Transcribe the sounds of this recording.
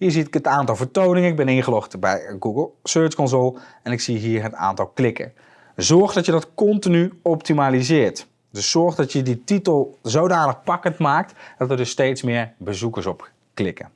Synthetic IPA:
ɦiːɹziɪkɦətaːntɑlˠvəɹtownɪŋəɪɡ̚bɛnɪnχəlɔχtbɛjɡuɡəlˠsøːɹskɔnzolˠɛnɪksiɦiːɹɦəta̰ːntɑlˠklɪkə̰ | zɔɹχdɑtjədɑtkɔntinyɔptimalizɪːɹt | dɵsːɔɹχdɑtjədititəlˠzowdaːnəχpɑkəntmaːk̚td̥ɑtərdɵstejtsmɪːɹbəzukəɹsɔp | klɪkə̰

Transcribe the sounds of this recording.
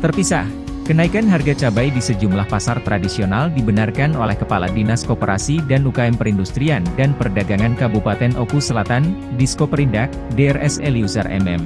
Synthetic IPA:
t̪ərpisa̰h | kənaikanɦarɡat͡ʃabajdisəd͡ʒumlahpasart̪ɾadisionaldibənarkanolɛhkəpala̰dinaskopəɾa̰sidanukaɛmpəɾindust̪ɾiandanpərdaɡaŋankabupat̪ɛnʔokusəlat̪andiskopəɾindak̚deɛrʔɛsɛliusə̰rʔɛ̰mɛ̰m

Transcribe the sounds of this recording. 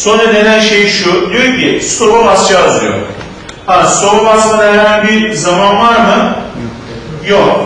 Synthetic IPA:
so̞nɾad̪e̞nænʃe̞jʃud̪ijo̞ɾcʰist̪ʰoɾuvast͡ʃʰaːzˠujo̰ɾ | ast̪oɾbasmad̪ajaɾmabiɾzamanvaɾmɯ | jok

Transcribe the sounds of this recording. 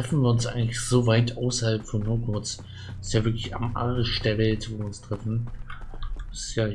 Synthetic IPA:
ʁɛfn̩viːɐʊnsʔaɪɡŋtlɪçz̥oːvaɪtʔaʊsɐhalpfɔnːokʰʊt͡s | ɪ̥stjaːvɪɐklɪça̰mʔa̰ʁʃd̥ɛɐvɛltv̥ːɐʊnstʁ̥ɛfn̩ | sɪ̥sjaː

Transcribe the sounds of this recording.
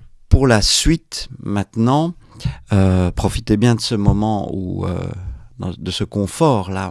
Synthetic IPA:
puʁlasɥit̪mɛ̃t̪nɑ̃ | øpχɔfi̥t̪ebjɛ̃d̪əsəmɔmɑ̃ṵø̰d̪ɑ̰̃d̪əsəkɔ̃fɔʁla

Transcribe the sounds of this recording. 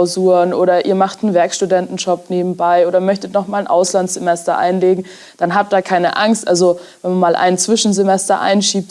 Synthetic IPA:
ʊzuːnʔoːɾɐʔḭːɐmaχtnənvɛɐkʃtudɛntn̩d͡ʒɔp̚neːbm̩baɪoːɾɐmœçtətnɔχmaːlnʔa̰ʊslantz̥emɛstɐ̰ʔa̰ɪnleːɡŋ̩ | d̥anɦaːp̚td̥aːkʰaɪnə̰ʔaŋstʔalzovɛnmanmaːlʔa̰ɪnt͡sv̥ɪʃn̩zemɛstɐ̰ʔa̰ɪnʃiːp̚t

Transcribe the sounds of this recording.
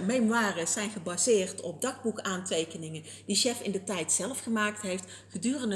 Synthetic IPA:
mejmaːrəzɛjnχəbaːzɪːrtɔb̚dɑχbukaːntejkənɪŋən | d̥iʃɛfɪ̰ndətɛjtsɛlˠfχəmaːktɦejft | χədyːrəndə

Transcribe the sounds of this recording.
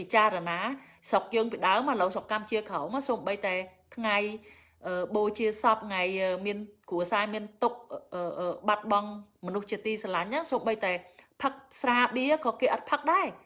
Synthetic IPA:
pit͡ɕaːɾanaːsok̚jəːŋpiɗaəmhaləwsokːamt͡ɕiəkʰəmasoːmɓəjt̪aɛt̪ʰŋaj | ʔəːɓoːt͡ɕiəsɑp̚ŋajʔəːmiənkuəsaːmiənt̪uk̚ʔʔəːʔəːɓat̪̚ɓɑŋ | mɔnuht͡ɕiət̪iːsalaɲʔəŋsoːmɓəjt̪aɛpʰək̚sraːɓiəkɑːkeːʔɑt̪̚pʰək̚ɗaɛ

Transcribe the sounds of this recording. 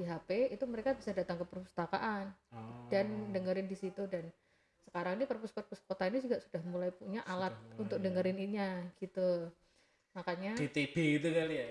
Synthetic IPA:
diɦapeit̪uməɾekabisadat̪aŋkəpərpust̪aka̰ʔandandəŋəɾɪndisit̪udan | səkaɾaŋnipərpuspərpuspot̪ainid͡ʒuɡaʔsudahmulajpuɲaʔalat̪̚unt̪ʊk̚dəŋəɾɪninɲaɡ̥it̪u | makaɲadit̪ib̥eɡit̪ukalja

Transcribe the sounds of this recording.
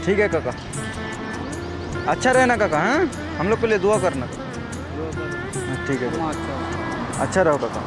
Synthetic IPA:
ʈʰiːkɦɛkaka | ɐtːʃʰaɾɛɦnakakaɦɛ̃ | hɐmloːɡ̚kelied̪uakɐɾnaka | ɦʈʰiːkɦɛka | ɐ̰tːʃʰaɾɛɦokaka̰

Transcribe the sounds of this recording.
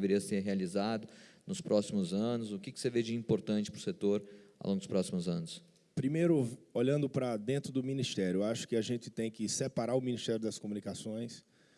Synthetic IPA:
veɾiɐseɾɦealizad̪ʊnʊspɾʔɔsimʊzɐ̃nʊzʊkɪkɪ̥seved͡ʒɪĩpoɾt̪ɐ̃nt͡ʃɪ̥pɾʊset̪oɾa̰wlõɡd̪ʊspɾɔsimʊzɐ̃nʊs | pɾimejɾʊoʎɐ̃nd̪ʊpɾɐd̪ẽnt̪ɾʊd̪ʊmĩnist̪ɛɾjʊaʃʊ̥kɪaʒẽnt͡ʃɪ̥t̪ẽj̃kɪsepaɾaɾʊmĩnist̪ɛɾjʊd̪ɐskomunikasõj̃s

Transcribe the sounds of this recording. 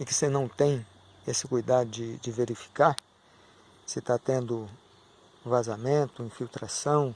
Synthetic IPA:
ɪkɪsenɐ̃w̃t̪ẽj̃ | esɪkujd̪ad̪ʊd͡ʒɪd͡ʒɪveɾifi̥kaɾ | sɪt̪at̪ẽnd̪ʊ | vazamẽnt̪ʊĩfiwt̪ɾasɐ̃w̃

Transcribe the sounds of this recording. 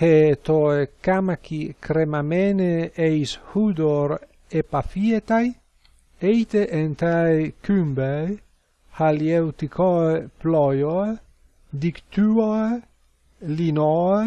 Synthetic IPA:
het̪oekamakikɾemameneejshud̪oɾ | epafiet̪aj | ejt̪eʔent̪ajkymbej | haliewt̪ikʰɔeplɔjoe | d̪ikt̪yoe | linɔe

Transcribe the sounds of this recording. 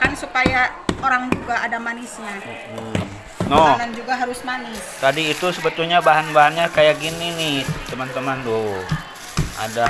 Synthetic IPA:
kansupajaoɾaŋd͡ʒuɡaʔadamanɪsɲa | m̩ | nɔnand͡ʒuɡaɦaɾʊsmanɪst̪adiːt̪usəbət̪ulɲabaɦanbaɦanɲakajaɡininit̪əmant̪əmando | ʔa̰da

